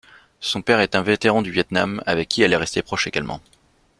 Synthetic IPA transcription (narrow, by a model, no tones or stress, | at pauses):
sɔ̃pɛʁɛt̪ɛ̃vet̪eʁɑ̃d̪yvjɛt̪nama̰vɛkʰʲːiɛlɛʁɛst̪epχɔʃeɡalmʔɑ̰̃